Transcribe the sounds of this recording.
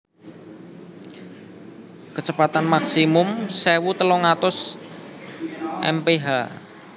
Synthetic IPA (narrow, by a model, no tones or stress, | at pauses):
kət͡ʃəpat̪anmaksimʊmsewut̪əlɔŋat̪ʊs | ʔɛ̰mpeɦa̰